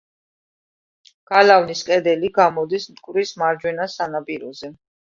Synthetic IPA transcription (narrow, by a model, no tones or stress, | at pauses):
ɡ̥alavniskʼɛd̪ɛliɡamɔd̪ismt̪kʼɾismaɾd͡ʒwɛnasanapʼiɾɔzɛ